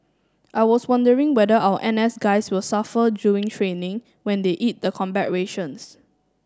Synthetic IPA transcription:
ʔaɪwɔswãndəɹɪ̃ŋwɛdəʔawəʔɛ̃nɛsɡaɪswɪlsafəduɪ̃ŋtʰɹẽnɪ̃ŋ | wɛ̃ndeʔit̚dəkʰɔ̃mbɛt̚ɹeʃə̃ns

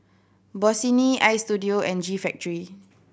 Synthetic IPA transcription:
bɔsiniajstudioɛ̃nd͡ʒifɛk̚təɹi

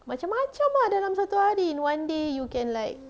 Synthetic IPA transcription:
mat͡ʃamːat͡ʃamadalamsat̪uhaɾiĩnwãndejukɛ̃nlajk̚

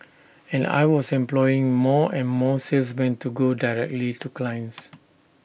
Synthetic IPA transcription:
ɛ̃na̰jwɔsɛ̃mplɔjɪ̃ŋmɔɛ̃nmɔsels̬mɛ̃ntuɡodajɹɛk̚tlituklãjns

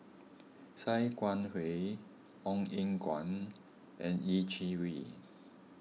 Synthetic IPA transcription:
sajkwanhwe | ɔŋiŋkwa̰n | ɛ̰̃nit͡ʃʰiwi

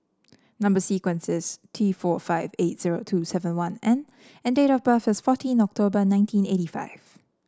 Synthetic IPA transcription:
nãmbəsikwɛ̃nsɪstʰifɔfaɪvet̚z̥iɹo̰tʰusɛvə̃nwãnɛ̃n | ɛ̃ndeɾɔfbəfɪsfɔtʰĩnɔk̚tʰobənãɪ̃ntʰĩnetifa̰ɪv̥

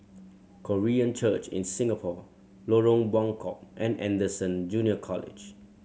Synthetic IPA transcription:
kʰoɹiə̃nt͡ʃət͡ʃɪ̰̃nsĩŋəpʰɔ | loɹõŋbɔ̃ŋkʰɔp̚ʔɛ̃nɛ̰̃ndəsə̃nd͡ʒũniəkʰɔlɪ̰d͡ʒ

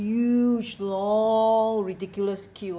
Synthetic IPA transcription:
jud͡ʒlɔŋɹidikjuləskʰi

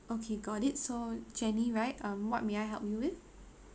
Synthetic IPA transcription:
okʰeɡɔɾɪt̚sod͡ʒɛniɹaɪtʌ̃mwɔt̚meaɪɦɛ̰lˠpjuwɪθ

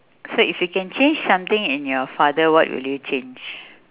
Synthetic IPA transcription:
soifjukɛ̃nt͡ʃẽnd͡ʒsãmt̪ɪ̃ŋɪ̃njɔfadəwɔ̰twḭljut͡ʃẽnd͡ʒ

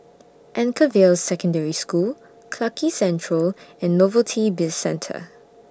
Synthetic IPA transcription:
ʔɛ̃nkʰəvelsːɛkə̃ndɛɹiskul | kʰlakisɛ̃ntʰɹəlɛ̃nːɔvəltʰibɪlsɛ̃ntʰə̰

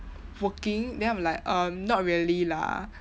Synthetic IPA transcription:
wəkĩŋdɛ̃ãmlaɪkʔʌ̃mnɔt̚ɹiəlila̰

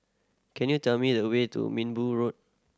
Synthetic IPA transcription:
kʰɛ̃njutɛlmidəwetṵmĩnbuɹot̚

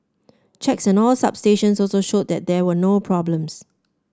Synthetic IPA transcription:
t͡ʃʰɛksɛ̃nɔlsa̰b̥steʃə̃nsɔlsoʃod̚dɛt̚dɛwənopʰɹɔblə̃ms

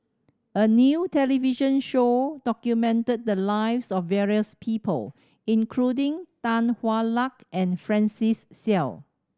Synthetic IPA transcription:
ʔənjutɛliviʃə̃nʃod̥ɔkjumɛ̃ntəd̚dəlaɪvsɔfːɛɹiəspʰiːpʰə̰l | ĩnkʰludĩŋtãnhwalakʔɛ̃nfɹɛ̃nsisːɛl

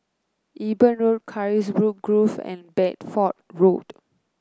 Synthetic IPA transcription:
ʔibə̃nɹod̚kʰaɹis̬bɹuk̚ɡɹufɛ̰̃nbɛt̚fɔt̚ɹot

